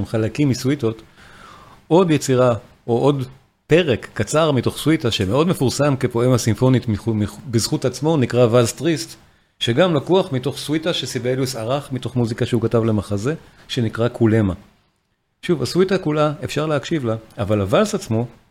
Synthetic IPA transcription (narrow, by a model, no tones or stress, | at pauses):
mχalakimːiswito̞t | ʔo̞djet͡siʁa | o̞ʔo̞d | pe̞ʁe̞kːat͡saʁmito̞χswitaʃeme̞o̞dme̞fuʁsamke̞po̞emhasimfo̞nitmiumibezχutat͡smo̞nikʁavalstʁist | ʃe̞ɡamlakuaχmito̞χswitaʃesibelusaʁaχmito̞χmuzikaʃeukatavle̞maχaze̞ | ʃe̞nikʁakʰule̞ma | ʃuvaswitakulae̞fʃaʁleakʃivlaavalavalsat͡smo̞